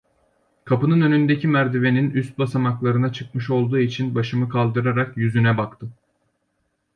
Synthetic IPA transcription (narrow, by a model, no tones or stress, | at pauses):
kʰapɯnɯnø̞nynd̪ecʰimæɾd̪ive̞ninyst̪̚basamaklˠaɾɯnat͡ʃʰɯk̚mɯʃo̞lˠd̪uːit͡ʃʰinbaʃɯmɯkʰalˠd̪ɯɾaɾakjyzynɛbakt̪ʰɯ